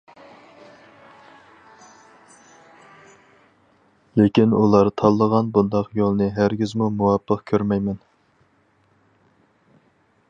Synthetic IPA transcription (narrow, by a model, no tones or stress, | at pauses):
lekʲinṵlˠɑɾt̪ʰɑlˠːəʁɑnbund̪ɑqjolˠnɨɦæɾɡʲizmumuwɑpʰːəqkʲʰøɾmɛjmɛn